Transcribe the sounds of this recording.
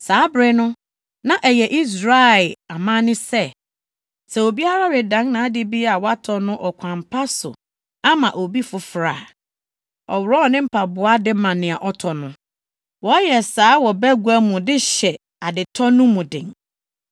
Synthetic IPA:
saː˨˦bɾɪ˦nʊ̃˦ | nã˦ʔɛ˨jɛ˨ʔi˦s̬ɾa˦ɛ˨a˨mã˦nɪ̃˦sɛ˦˨ | sɛ˨o˨bi˦a˦ɾa˦ɾɪ˨dã˨˦ŋnã˨a˦dɪ˦bi˦a˨wɔ˦a˦tʰɔ˨nʊ̃˦ʔɔ˨kʷʰã˨m˨pʰa˦sʊ̰˨ | a˦mã˨ʔo˨bi˦fʊ˨fɾaː˨ | ɔ̰˨wɾɔ˦ɔ˨nɪ̃˦m̩˦pʰa˨bʊ˨a˦dɪ˦mã˨nɪ̃˨a˨ʔɔ˦tʰɔ˨nʊ̃˦ | wɔ˨˦jɛ˨saː˨˦wɔ˨bæ˦ɡu˨˦æ˦mũ˨dɪ˦ɕɛ˨ | a˨dɪ˨tʰɔ˦nʊ̃˦mũ˨dɪ̰̃˨ŋ

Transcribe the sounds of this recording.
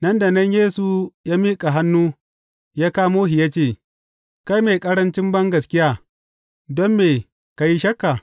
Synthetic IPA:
nɐ˦nda˨nɐ˦ɲjeː˦su˨jaː˦miː˦kʼa˨ɦa˦nːuː˦ | jaː˦kaː˦moː˦ɦi˨jaː˦t͡ʃeː˦˨ | ka˦jmeː˨kʼɐ˦ɽɐ˦nt͡ʃɪ˦mbɐ˦ŋɡɐ˨skʲɪ˦jaː˦ | dɔ˦mːeː˨ | ka˨ji˦ʃɐ˦kːa˨

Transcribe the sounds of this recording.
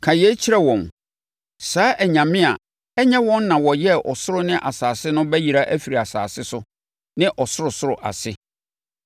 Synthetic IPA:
kʰã˨jɛ˦t͡ɕʰi˦ɾɛ˦wɔ̃˨n | saː˨˦ʔæ˨ɲã˨mɪ̃˦a̰˨ | ɛ˦ɲɛ̃˦wɔ̃˦n˦nã˨wɔ˨jɛ˦ʔɔ˨sʊ˦ɾʊ˦nɪ̃˦ʔa˨saː˨sɪ˦nʊ̃˦bɛ˦ji˨ɾa˦ʔæ˦fi˨ɾi˨a˨sa̰ː˨sɪ˦sʊ˦ | nɪ̃˦ʔɔ˨sʊ˦ɾʊ˨sʊ˦ɾʊ˨ʔa̰˨sɪ˦

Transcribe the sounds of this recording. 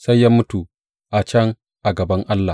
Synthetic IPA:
sa˦jːaː˦mʊ˦tu˨ | ʔa˨t͡ʃɐ˦ŋ | ʔa˨ɡɐ˨bɐ˦ŋʔa˦lːa˨

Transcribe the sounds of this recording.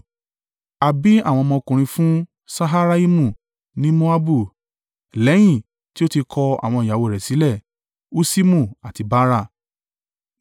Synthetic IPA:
a˨bi˨˦a̰˦˨w̃ɔ̃˧mɔ̃˧o˧kũ˨ɾ̃ĩ˧fũ˦ | sa˦ɦa˦ɾa˦i˦mũ˦˨ | nĩ˦mo˦a˦bu˦˨ | lɛ˨˦j̃ĩ˦˨ | ti˦o˦ti˧kʰɔ˧a̰˨w̃ɔ̃˧˨ja˨wo˧˨ɾɛ˨si˨˦lɛ˦˨ | o˦si˦mũ˦˨a˨ti˧ba˦ɾa˦˨

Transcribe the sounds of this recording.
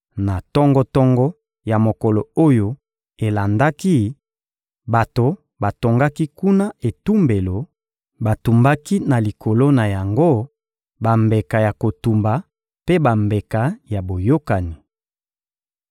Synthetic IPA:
na˨tɔ˦ŋɡɔ˦tɔ˦ŋɡɔ˦ | ja˨mo˨kɔ˨lɔ˨o˦jo˦ | e˨la˨nda˦ki˦ | ba˨to˨ | ba˨to˨ŋɡa˦ki˦ku˦na˦e˨tu˦mbe˨lo˨ | ba˨tu˨mba˦ki˦na˨li˨kʰo˨lo˦na˨ja˨ŋɡo˦˨ | ba˨mbe˨ka˨ja˨ko˨tu˨mba˨ | pe˦ba˨mbe˨ka˨˦ja˨bo˨jo˦ka˨ni˨

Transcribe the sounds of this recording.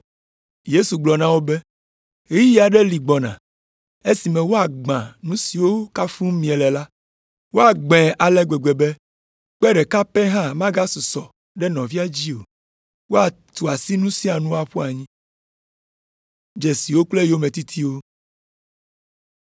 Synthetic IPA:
je˦su˨ɡ͡blɔ˨nã˦wo˦bɛ˦ | i˦i˦a˨ɖɛ˦li˨ɡ͡bɔ˨nã̰˨ | e˦si˨mɛ̃˨wo˦a˨ɡ͡bã˨nũ˦si˨wo˦ka˦fũ˦mĩ˨ɛ˨lɛ˨la˦ | wo˦a˨ɡ͡bɛ̃˨ʔa˨lɛ˦ɡ͡bɛ˨ɡ͡be˨be˦ | k͡pɛ˦ɖɛ˨ka˦pɛ˦ɦã˦mã˦ɡa˦su˨sɔ˨ | ɖɛ˦nɔ̃˨vi˦a˦d͡ʑi˦o˨ | wo˦a˨t̪u˨a˨si˦nũ˦si˦a˨nũ˦a˨ɸu˦a˨ɲĩ˦ | d͡ʒe˨si˨wo˦k͡ple˦jo˦mẽ˨t̪i˦t̪ʰi˦wo˦

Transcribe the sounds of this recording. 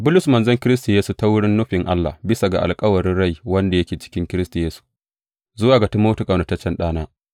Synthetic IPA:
bʊ˦lʊ˨smɐ˨nzɐ˦ŋkʲɪ˦ɾɪ˦s̬ta˨jeː˦su˨ta˦wʊ˦ɽɪ˦nːʊ˦ɸɪ˨ŋʔa˦lːa̰˨bɪ˦sa˨ɡa̰˨ʔa̰˨lkʼɐ˦wɐ˨ɽɪ˦nɽa˦˨jwɐ˦nda˨jɐ˦kʲeː˨t͡ʃɪ̥˦kʲɪ˦ŋkʲɪ˦ɾɪ˦sta˨jeː˦su̥˨ | zʊ˦waː˨ɡa˨tu˦moː˦tu˦kʼa˨nʊ˨tɐ˦t͡ʃːɛ˦nɗaː˦naː˦

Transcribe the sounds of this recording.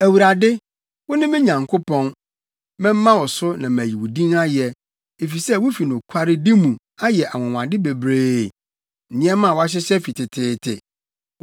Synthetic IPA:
æ˨wu˨ɾa˨dɪ˦ | wʊ˦nʊ̃˦mɪ̃˦ɲã˨ŋkʰo˦pɔ̃˦n | mɛ̃˦m̩ː˦ã˦wɔ˨sʊ˦nã˨m˨æ˨ji˨wu˨dĩ˦na˦jɛ˨ | e˨fi˨sɛ˦˨wʊ˦fi˨nʊ̃˨kʷʰa˦ɾɪ˦dɪ˦mũ˨ | a˦jɛ˨ʔa˨wɔ̃˨wã˨dɪ˦be˨bɾe˦˨ | n̩˨nɪ̃˦ɛ˦mã˦˨wɔ˦a˦ɕ̬ɪ˦sɛ˦fi˨tʰɪ˨tʰɪː˦tʰɪ̰˨

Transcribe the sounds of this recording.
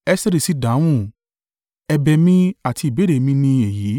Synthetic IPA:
ɛ˦se˦˧ɾi˨si˨˦dã˨˦w̃ũ˦˨ | ɛ˧bɛ˧mĩ˦a˦˨ti˧i˨be˦ɾe˨mĩ˦nĩ˧e˨jiː˨˦

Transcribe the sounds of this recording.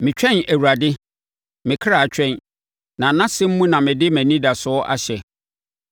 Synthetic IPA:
mɪ̃˨t͡ɕᶣɛ̃˦næ˨wu˨ɾa˨dɪ˦ | mɪ̃˨kʰɾa˨t͡ɕᶣɛ̃˦˨n | nã˨˦nã˦sɪ̃˦m̩˦mũ˦nã˨mɪ̃˨dɪ˦mæ̃˨nĩ˦da˨sʊ˦ɔ˦ʔa̰˦ɕɛ˨

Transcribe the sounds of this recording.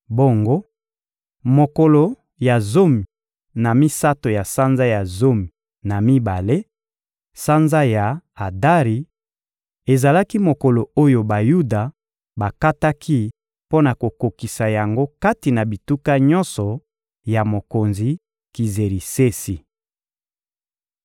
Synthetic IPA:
bo˦ŋɡo˦ | mo˨ko˨lo˨ | ja˨zo˦mi˨ | na˨mi˦sa˦to˨ja˨sa˦nza˦ja˨zo˦mi˨ | na˨mi˦ba˨le˦ | sa˦nza˦ja˨a˨da˦ʁi˨ | e˨za˨la˦ki˦mo˨ko˨lo˨o˦jo˨ba˨ju˦da˨ | ba˨ka˦ta˦kʰi˦ | po˦na˨ko˨ko˨ki˨sa˨ja˨ŋɡo˦ka˦ti˨na˨bi˨tu˦ka˦ɲɔ˦nsɔ˨ | ja˨mo˨ko˨nzi˨ | ki˨ze˨ʁi˨se˦si˨

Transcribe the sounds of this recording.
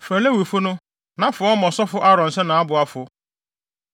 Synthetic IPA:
fɛ˨le˦wi˨fʊ˦nʊ̃˦ | nã˦fʊ˨˦ɔ˦mɔ̃˨sɔ˦fʊ˦ʔa˦ɾɔ̃˨n̩˨sɛ˦nã˨a˦bʊ˨a˦fʊ˦

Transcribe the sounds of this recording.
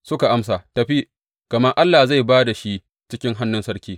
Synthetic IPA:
sʊ˦ka˨ʔa˦ms̬aː˨tɐ˨ɸi˦ | kɐ˨mɐ˦ʔa˦lːaː˨za˦˨jbaː˦da˨ʃi˦ | t͡ʃɪ˦kʲɪ˦ŋɦa˦nːʊ˦nsɐ˦ɽkʲiː˦

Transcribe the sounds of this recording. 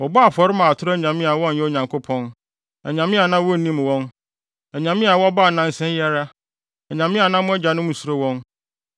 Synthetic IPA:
wɔ˨ba˦a˨fɔ˨ɾɪ˦mã˨tʰʊ˦ɾɔ˦˨ɲã˨mĩ˦a˨wɔ̃˦n̩˨jɛ˦o˨ɲã˨ŋkʰo˦pʰɔ̃˦n | ɛ˨ɲã˨mɪ̃˦a˨nã˦wɔ˦˨nĩ˦m˨wɔ̃˦n | ɛ˨ɲã˨mĩ˦a˨wɔ˦a˦baː˦˨nã˦n̩˦sɛ̃˦n˦jɛ˦ɾa˦ | ɛ˨ɲã˨mɪ̃˦a˨nã˦mʊ̃˦ɛ˦d͡ʑa˨nʊ̃˦mũ˨su˨ɾo˦wɔ̃˦n

